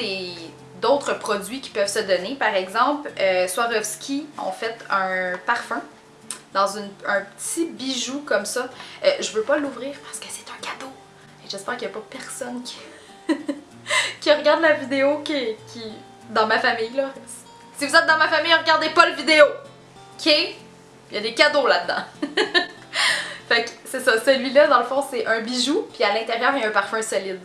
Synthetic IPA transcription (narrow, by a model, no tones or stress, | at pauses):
e | d̪ɔʊt̪χəpχɔd͡zɥikʲi̥pœv̥səd̪ɔnepaʁɛɡzɑ̃pløswaʁɔvskʲiɔ̰̃fɛt̪œ̃paʁfɛ̃ | d̪ɑ̃zynə̃pə̥t̪ibiʒukɔmsʌøʒəvøpɔluvʁiːʁpaʁsə̥kə̥se̥t̪ɛ̃kʲat̪o | eʒəspɛːʁkjapɔpɛʁsɔnkʰʲi̥ | kʲiʁəɡaʁd̪lavid̪eokʲikʲʰi | d̪ɑ̃mafamijlɔs | sivuzɛt̪̚d̪ɑ̃mafamijʁəɡaʁd̪epʌləvid̪eo | ɔkʰʲe | jad̪ekad̪olad̪ːɑ̰̃ | fɛksesʌsəlɥilʌd̪ɑ̃ləfɔ̃sɛʔœ̃biʒupialɛ̃t̪eʁjœːʁjɛ̃paʁfɛ̃sɔlɪd̪